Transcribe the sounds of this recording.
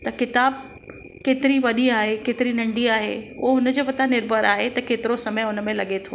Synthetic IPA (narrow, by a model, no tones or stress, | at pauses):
t̪ɐkɪt̪aːb | keːt̪ɪɾiʋɐɗiaːɦekeːt̪ɪɾinɐ̃ɳɖiaːɦḛṵɦeɦʊnəd͡ʑoːpɐt̪anɪɾbʱəɾaːɦet̪ɐkeːt̪ɪɾosɐməjʊnəmẽlɐɠet̪ʰo̰ː